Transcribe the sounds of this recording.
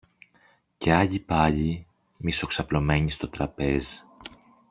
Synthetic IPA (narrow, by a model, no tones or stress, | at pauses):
ce̞ɐʎipɐʎi | miso̞ksɐplo̞me̞ɲist̪o̞t̪ɾɐpe̞z